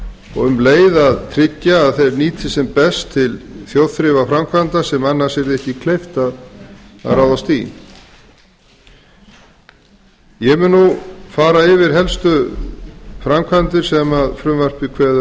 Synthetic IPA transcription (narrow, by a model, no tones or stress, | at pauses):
ɔ̰ɣʏmleːjðaðt̪ʰɾɪcːaːðθejɾniːt̪ʰɪsɛmpɛst̪ʰːɪlθjowð̥θɾɪvafɾamkʰvant̪asɛmanːaɾ̥sɛɾðɪɛhcɪkʰlejft̪aða̰ðraːwðast̪ḭːn | jɛmɪnːufaːɾaɪvɪɾ̥ɦɛlst̪ʏ | fɾamkʰvant̪ɪɾ̥sɛmaðfɾʏmvar̥pɪkʰvɛːða